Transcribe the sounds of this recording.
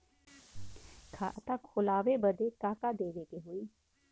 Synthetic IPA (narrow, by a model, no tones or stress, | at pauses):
kʰaʔt̪ãːkʰʊlaːʋeːbəd̪eːkaːkaːd̪eːʋeːkeɦoːiː